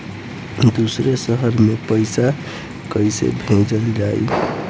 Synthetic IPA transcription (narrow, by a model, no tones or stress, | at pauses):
d̪usɾesʌɦʌrmepʌjsa | kʌjsḛbʱẽd͡zʌliɾajṵ